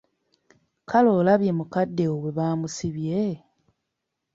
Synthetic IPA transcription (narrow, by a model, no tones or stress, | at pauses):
kʰalo̞laβje̞mukadːe̞oβeβaːmusiβje